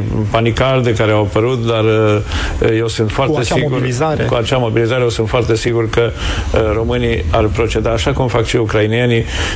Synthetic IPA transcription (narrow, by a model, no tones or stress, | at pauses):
panikard̪ekaɾeawapəɾut̪d̪ar | je̞wsɨnt̪foart̪esiɡuɾzakuat͡ʃamo̞bilizaɾejesɨnt̪foart̪e̞siɡurkəro̞mɨniarpɾo̞t͡ʃe̞d̪aːʃakumfakʃiukɾainieni